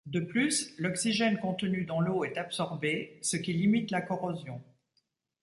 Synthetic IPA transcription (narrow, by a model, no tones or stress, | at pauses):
d̪əplyslɔksiʒɛnkɔ̃t̪ənyd̪ɑ̃loɛt̪apsɔʁbesəkʲilimit̪lakɔʁɔzjɔ̃